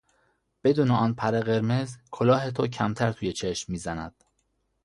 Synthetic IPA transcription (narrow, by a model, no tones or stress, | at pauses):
b̥e̞d̪uːneɒːnpʰæɾeɣe̞ɾmezkʰolɒːɦe̞t̪ʰocʰæmt̪ʰæɾt̪ʰuːjet͡ʃʰeʃmːiːzænæd̪̥